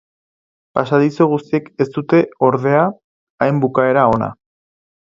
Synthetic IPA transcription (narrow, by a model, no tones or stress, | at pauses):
pasaðisoɣ̞ust̪ieke̞st̪ut̪e̞o̞ɾðe̞aː | jmbukae̞ɾao̞na̰